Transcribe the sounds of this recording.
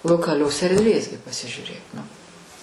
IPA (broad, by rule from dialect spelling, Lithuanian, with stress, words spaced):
lˠoːkɐˈlʲoːs ɛrʲdʲˈʋʲeːs ɡʲɪ pɐsʲɪʒʲuːˈrʲeːk nʊ